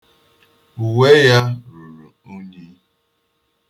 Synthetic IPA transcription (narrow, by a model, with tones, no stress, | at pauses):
u˨we˦ja˦ɾu˨ɾu˨u˦ɲi˦